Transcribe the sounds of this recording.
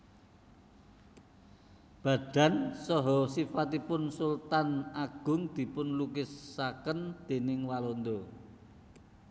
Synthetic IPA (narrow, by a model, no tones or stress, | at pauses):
b̥ä̤ɖ̥ä̤nsɔɦɔsifat̪ipʊnsult̪anaɡ̥ʊ̤ŋd̪̥i̤pʊnlukɪsːakənd̪̥e̤nɪŋwalond̪o